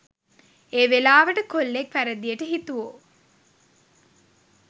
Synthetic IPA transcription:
eːʋelaːʋəʈəkolːekfæɾəd̪ijəʈəɦit̪uʋo

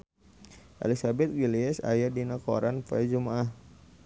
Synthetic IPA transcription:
ʔa̰lisabɛt̪̚wiliɛsa̰jadinako̰ɾanpad͡ʒumaah

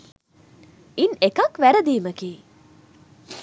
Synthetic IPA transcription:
inekɐkʋæɾəd̪iːməkiː

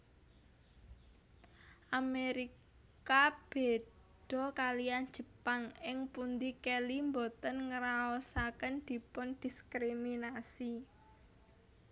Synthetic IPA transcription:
ʔameɾi | kab̥e̤ | d̪̥ɔ̤kalijan̥d͡ʒ̥ə̤paŋɪŋpund̪ikɛlimbot̪ənŋəɾaɔsakənd̪̥i̤pʊnd̪̥i̤skɾiminasi

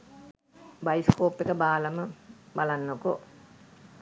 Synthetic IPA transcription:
bɐjiskoːpːekəbaːlɐməbɐlɐnːoko

